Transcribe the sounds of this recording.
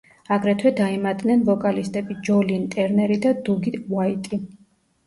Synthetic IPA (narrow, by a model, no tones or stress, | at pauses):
aɡɾɛt̪ʰwɛd̪aimat̪ʼnɛnvɔkʼalist̪ʼɛbid͡ʒɔliːnt̪ʼɛɾnɛɾid̪ad̪uɡiwait̪ʼi